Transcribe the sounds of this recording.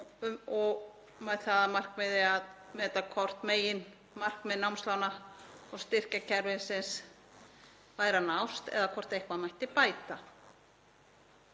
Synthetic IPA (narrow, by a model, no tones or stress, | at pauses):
ɔɣ | mɛðθaðamar̥kmɛðɪaðmɛɛt̪ːakʰɔr̥t̪meːjɪn | mar̥kmɛðnawmslaːwnaɔɣst̪ɪr̥cacʰɛɾvɪnsɪns | vaːjɾanawst̪ɛ̰ðakʰɔr̥t̪ejhkvaðmajht̪ɪpaːjt̪a